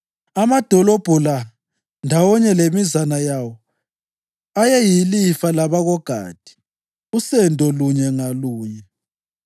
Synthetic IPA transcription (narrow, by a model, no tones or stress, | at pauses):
amad̥ʱɔlob̥ʱula | ndʱawɔɲɛlemizanajawɔ | ajɛjilifalaβaɣɔɡ̥ʱa̰ːd̥ʱi̥ | usɛndʱɔluɲɛŋaluːɲɛ